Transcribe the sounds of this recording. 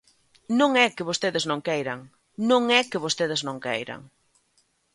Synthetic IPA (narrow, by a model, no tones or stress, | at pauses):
nõŋɛkɪβost̪eðɪznõŋkejɾɐŋ | nõŋɛkɪβost̪eð̞ɪznõŋkɛ̰jɾɐ̰ŋ